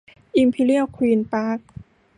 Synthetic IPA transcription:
ʔi˧mpʰiː˧li˥˩əkʰwiː˧npaː˦˥k̚

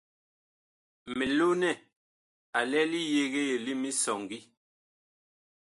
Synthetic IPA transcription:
me˨lo˦nɛ˦˨ | a˨lɛ˦li˦je˨ɣe˦je˨li˦mi˦sɔ˨ŋɡi˦

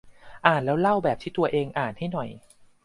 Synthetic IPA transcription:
ʔaː˨˩nlɛː˦˥wla˥˩wbɛː˨˩p̚t̪ʰiː˥˩t̪u˧ɐʔeː˧ŋʔaː˨˩nha˥˩jnɔ˨˩j

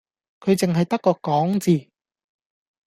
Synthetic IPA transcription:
kʰɵ˨˧ɥt͡sɪ˨ŋɦɐ˨jt̪ɐ˥kːɔː˧kɔː˨˥ŋt͡siː˨˩

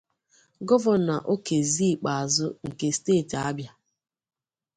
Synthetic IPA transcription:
ɡɔ˦vɔ˨na˨ʔo˦ke˨zi˦˨k͡pa˨a˨zʊ˦ŋ̩˨ke˨steː˦˨ta˦bja˦

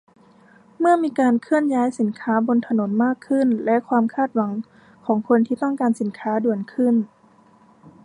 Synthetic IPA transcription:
mɯ˥˩ɐmiː˧kaː˧nkʰɯ˥˩ənjaː˦˥jsi˩˦nkʰaː˦˥bo˧nt̪ʰa˧no˩˦nmaː˥˩kʰːɯ˥˩˨nlɛ˦˥ʔkʰwaː˧mkʰaː˥˩t̪̚wa˩˦ŋ | kʰɔː˩˦ŋkʰo˧nt̪ʰiː˧t̪ɔ˥˩ŋkaː˧nsi˨˩˦nkʰaː˦˥du˨˩ənkʰɯ˥˩n

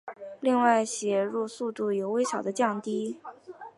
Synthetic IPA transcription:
li˥˧ŋwa˥˩ɪɕjɛ˧˨˥ɻu˥˧su˥˧t̪u˥˩jo˨˩ʊwe˥ɪɕjɑ˨˩ʊd̪ə˦t͡ɕjɑ˥˩ŋt̪i˥

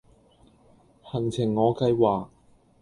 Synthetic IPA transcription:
hɐ˨˩t͡sʰɪ˨˩ŋːɔː˨˧kɐ˧jwaː˨k̚

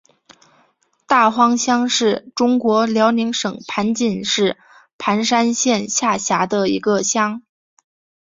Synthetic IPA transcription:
t̪a˥˩xwɑ˥ŋɕjɑ˥ŋʂɻ̩˥˩ʈ͡ʂʊ˥ŋkwɔ˧˥ljɑ˧˥ʊni˧˥ŋʂɤ˨˩ŋpʰa˧˥nt͡ɕi˥˩nʂɻ̩˥˩ | pʰa˧˥nʂa˥nɕjɛ˥˧nɕja˥˩ɕja˧˥d̪ə˧ḭ˧˥ɡə˧ɕjɑ˥ŋ

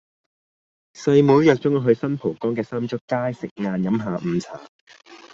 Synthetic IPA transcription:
sɐ˧jmuː˨˥jjœː˨k̚t͡sʊ˨˥ŋɔ˧ɦɵ˨˧ɥsɐ˥npʰo˨˩kɔː˥ŋk̬ɛː˧saː˥mt͡ʃʊ˥kkːaː˥jsɪ˨k̚ŋaː˧njɐ˨˥mɦaː˨˧m̩˨˩t͡sʰa̰ː˨˩

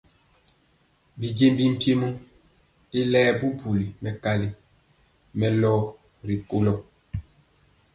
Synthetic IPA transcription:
bi˨d͡ʒe˨mbi˦m̩˨pje˦mɔ˦ | i˦lɛː˦bu˦bu˨li˨mɛ˨ka˨li˦ | mɛ˨lɔ˦ | ɾi˨ko˦lɔ˦

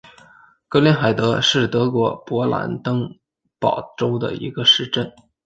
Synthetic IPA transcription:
kɤ˧˥ljɛ˥nxa˨˩ɪt̪ɤ˧˥ʂɻ̩˥˩t̪ɤ˧˥kwɔ˧˥pwɔ˧˥la̰˧˥nt̪ɤ˥ŋ | pɑ˨˩ʊʈ͡ʂo˥ʊd̪ə̰˨˩ḭ˧˥ɡə˧ʂɻ̩˥˧ʈ͡ʂə˥˩n

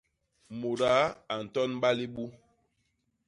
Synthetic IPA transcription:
mo˨ɾa˨˦a˨n̩˨tɔ˦n˦ɓa˦li˦ɓu˦

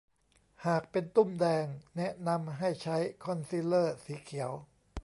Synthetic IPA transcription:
haː˨˩k̚pe˧nt̪u˥˩mdɛː˧ŋnɛ˦˥ʔna˧mɦa˥˩jt͡ɕʰa˦˥jkʰɔ˧nsi˦˥lɤː˥˩siː˩˦kʰi˩˦w

